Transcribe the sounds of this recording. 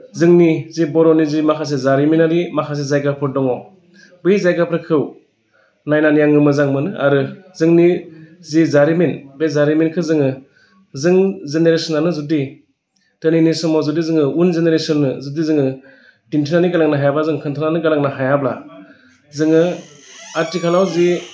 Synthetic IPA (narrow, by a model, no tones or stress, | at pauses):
zɯŋnizibɔɾɔnizimakʰas̬ezaɾiminaɾimakʰas̬ezajɡapʰɯɾdɔŋɔ | bɯjzajɡapʰɾɯkʰɯw | najnanijaŋːɯmɯzaŋmɯnɯʔa̰ɾɯzɯŋnizizaɾiminbezaɾiminkʰɯzɯŋɯ | zɯŋzeneɾesɔnanɯzudi | tɯninisɔmɔzudizɯŋɯunzeneɾesɔnːɯzudizɯŋɯ | d̥intʰinaniɡalaŋnaɦajablazɯŋkʰɯntʰɯnanɯɡalaŋnaɦajabla̰ | zɯŋɯ | aɾtikʰalawzi